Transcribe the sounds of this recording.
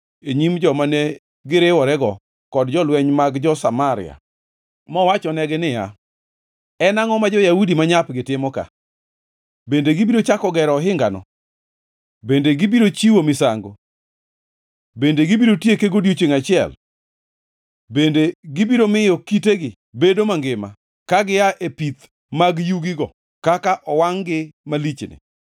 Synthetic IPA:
eɲimd͡ʒɔmane | ɡɪɾɪwɔɾɛɡɔ | kɔdd͡ʒɔlwɛɲmaɡd͡ʒɔsamaɾɪ̰a̰ | mɔwat͡ʃɔnɛɡɪnɪja̰ | ɛnaŋɔmad͡ʒɔjaudimaɲapɡɪtɪmɔka̰ | bendeɡɪbiɾot͡ʃakɔɡɛɾɔɦɪŋɡanɔ̰ | bendeɡɪbiɾot͡ʃiwomɪsaŋɡo | bendeɡibiɾotjekeɡodjot͡ʃeŋat͡ʃɪɛ̰l | bendeɡɪbiɾomɪjɔkiteɡɪ | bedomaŋɡɪma̰ | kaɡɪjaʔepit̪ | maɡjuɡɪɡɔ | kakaʔɔwaŋɡɪmalit͡ʃnɪ̰

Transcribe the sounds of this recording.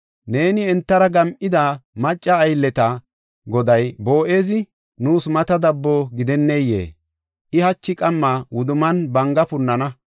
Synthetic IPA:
ne̞ːnɪɛnt̪ːɐɾɐɡɐmʔɪd̪ɐmɐt͡ʃʼːɐːjlːɛt̪ɐ | ɡɔd̪ɐjbo̞ːʔe̞ːzɪ | nuːsmɐt̪ɐd̪ɐbːɔɡɪd̪ɛnːejːḛː | ʔɪhɐt͡ʃːɪkʼɐmːawʊd̪ʊmɐnbɐŋɡɐpʊnːɐnɐ

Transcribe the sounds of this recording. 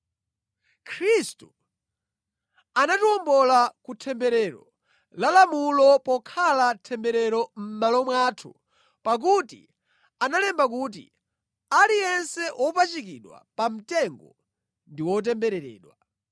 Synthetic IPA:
kʰɾistu | anatiɔmbɔlakutʰɛmbɛɾɛɾɔ̰ | lalamulɔpɔkʰalatʰɛmbɛɾɛɾɔm̩malɔmwaːtʰu | pak̬utḭ | analɛmbak̬ut̬ḭ | alijɛnsɛʔɔpat͡ʃikiɗwa̰pam̩tɛŋɡɔ | ndiwɔt̬ɛmbɛɾɛɾɛ̰ːɗwa

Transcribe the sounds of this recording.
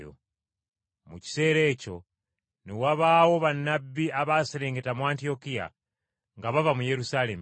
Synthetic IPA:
o̰ | muci̥se̞ːɾe̞ːco̞ | newaβaːwo̞βanːabːiaβaːsele̞ːŋɡe̞tamuaːntio̞kija̰ | ŋɡaβavamuje̞ɾusaːle̞m

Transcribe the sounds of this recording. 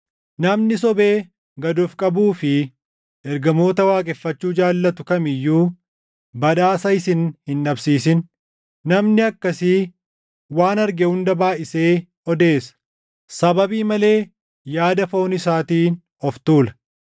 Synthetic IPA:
nɐmnɪsɔbe̞ː | ɡɐd̪ʊfkʼɐbuːfɪ | ʔɛɾɡɐmo̞ːt̪ɐwaːkʼɛfːɐt͡ʃːuːd͡ʒaːlːɐt̪ʊkɐmɪjːuː | bɐᶑaːsɐɪsɪnhɪnᶑɐbsiːsɪnː | ɐmnɪɐkːɐsɪ | waːnɐɾɡɛhʊnd̪ɐbaːʔɪse̞ː | ɔd̪e̞ːsɐ̥ | sɐbɐbiːmɐle̞ː | jaːd̪ɐfo̞ːnɪsaːt̪iːn | ɔft̪uːlɐ̥

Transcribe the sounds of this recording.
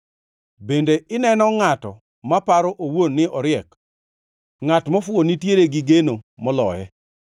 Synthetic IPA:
bendeɪnɛnɔŋatɔ | mapaɾɔʔowonːɪʔɔɾɪɛk | ŋatmɔfwonitjeɾeɡɪɡenomɔlɔjɛ

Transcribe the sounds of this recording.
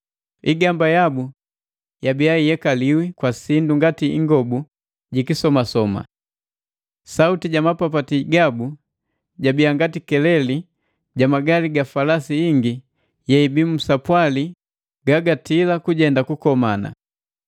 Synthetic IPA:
iɡambajabu | jabijaijɛkaliwikwasinduŋɡatiiŋɡɔbu | ɟikisɔmasɔma̰ | sautiɟamapapatiɡabu | ɟabijaŋɡatikɛlɛli | ɟamaɡaliɡafalasiiŋɡi | jɛibimusapwali | ɡ̥aɡatilakuɟɛndakukɔmana̰

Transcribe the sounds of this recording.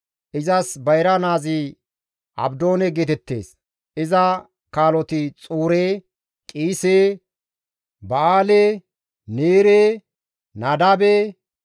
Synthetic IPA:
ʔɪzɐsbɐjɾɐnaːzɪ | ʔɐ̰bd̪o̞ːnɛɡet̪ɛt̪ːe̞̰ːs | ʔɪzɐ | kaːlɔt̪ɪt͡sʼuːɾeː | kʼiːseː | bɐaːleː | neːɾeː | nɐd̪ɐbe

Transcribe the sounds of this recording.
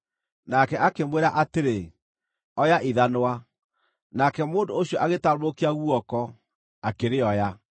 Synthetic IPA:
nakɛʔakemweɾaʔateɾe | ɔjaʔiðanowa | nakɛmoːndooɕjɔʔaɣetaɾokeaɣuɔkɔ | akeɾeɔja

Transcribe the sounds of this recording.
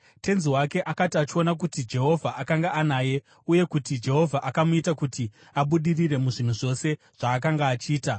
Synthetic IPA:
tʰe̞nziwake̞ʔakatiat͡ʃio̞nak̬utid͡ʒe̞ɦo̞vʱaʔakaŋɡaʔanaːje̞ | uje̞kutid͡ʒe̞ɦo̞vʱaʔakamuitakuti | aɓuɗirire̞muʐin̤uʐo̞se̞ | ʐ̥aːk̬aŋɡaːt͡ʃiːta

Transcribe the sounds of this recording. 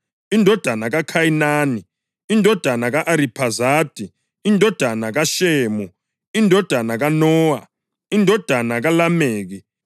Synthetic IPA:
indʱɔd̥ʱanaɣakʰajinaːni | indʱɔd̥ʱanaɣaʔaɾipʰazaːd̥ʱi | indʱɔd̥ʱanaɣaʃeːmu | indʱɔd̥ʱanaɣanɔːwa̰ | indʱɔd̥ʱanaɣalameːɣi

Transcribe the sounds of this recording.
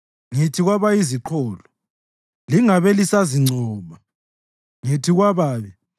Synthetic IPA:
ŋitʰiɣwaβaiziǃʰɔːlɔ | liŋaβelisaziŋ͡ǀʱɔːma | ŋitʰiɣwaβaːβɛ

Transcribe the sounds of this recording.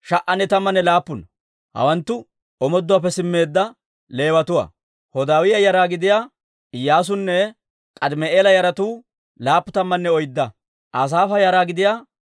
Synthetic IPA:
ʃɐʔɐnːɛt̪ɐmːɐnːɛlaːpːʊnɐ | hɐ̰wɐnt̪ːʊ | ɔmɔd̪ːɔwaːp̬ːɛsɪmːe̞ːd̪ːɐ | le̞ːwɐt̪ʊwa̰ | hɔd̪aːwɪjɐjɐɾaːɡɪd̪ɪjaː | ɪjːaːs̬ʊnːɛ | kʼɐd̪mɛʔeːlɐjɐɾɐt̪uː | laːpːʊt̪ɐmːɐnːɛɔjd̪ːɐ | ʔas̬aːfɐjaɾaːɡɪd̪ɪjaː

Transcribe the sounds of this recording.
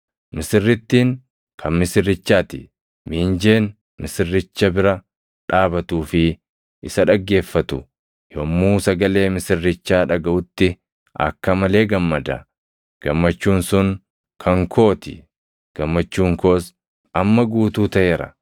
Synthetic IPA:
mɪsɪrːɪt̪ːiːŋ | kʰɐnmɪsɪrːɪt͡ʃːaːt̪ɪ̰ | miːnd͡ʒeːn | mɪsɪrːɪt͡ʃːɐbɪɾɐ | ᶑaːbɐt̪uːfɪ | ɪsɐᶑɐɡːe̞ːfːɐt̪ʊ | jomːuːsɐɡɐle̞ːmɪsɪrːɪt͡ʃːaːᶑɐɡɐʔʊt̪ːɪ | ʔɐ̰kːɐmɐle̞ːɡɐmːɐd̪ɐ | ɡ̥ɐmːɐt͡ʃːuːnsʊŋ | kʰɐŋkʰoːt̪ɪ̰ | ɡ̥ɐmːɐt͡ʃːuːŋkoːs | ɐmːɐɡuːt̪uːt̪ɐʔeːɾɐ̰

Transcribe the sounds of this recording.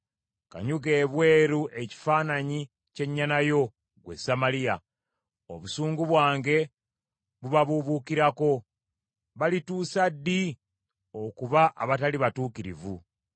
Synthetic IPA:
ka̰ɲuɡe̞ːβwe̞ːɾuʔe̞ci̥faːnaɲi | ce̞ɲːanajo̞ | ɡwḛsamalija | o̰βusuːŋɡuβwaːŋɡe̞ | βuβaβuβukiɾako̞ | βalituːsadːi | okuβaʔa̰βataliβatuːkiɾḭvu

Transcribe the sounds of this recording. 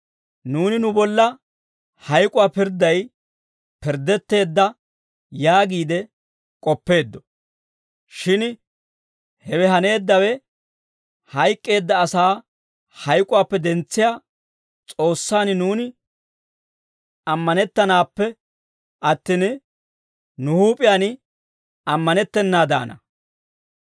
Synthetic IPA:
nuːnɪnʊbɔlːɐ | hɐjkʼʊwaːpɪɾd̪ːɐj | pɪɾd̪ːɛt̪ːe̞ːd̪ːɐ | jaːɡiːd̪ɛ | kʼɔpːe̞ːd̪ːɔ̥ | ʃɪn | hɛwɛɦɐne̞ːd̪ːɐwɛ | hɐjkʼːe̞ːd̪ːɐːsaː | hɐjkʼʊwaːpːɛd̪ɛnt͡sːɪjaː | t͡sʼo̞ːsːaːnɪnuːnɪ | ɐmːɐnɛt̪ːɐnaːpːɛ | ɐt̪ːin | nʊhuːpʼɪjaːnɪ | ɐmːɐnɛt̪ːɛnːaːd̪a̰ːnɐ̰

